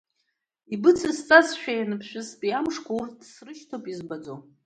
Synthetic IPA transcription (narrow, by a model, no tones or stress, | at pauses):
ibɨt͡sʰɨst͡sʼazʃᶣajanɨpʰʃᶣɨspʼiamʂkʷortʰʼsrɨʃtʰopʼizbad͡zo